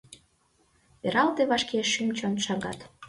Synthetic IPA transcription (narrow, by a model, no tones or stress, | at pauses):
peɾɑlt̪eβɑʃkeʃːymt͡ɕont̪ʃɑɣɑ̰t̪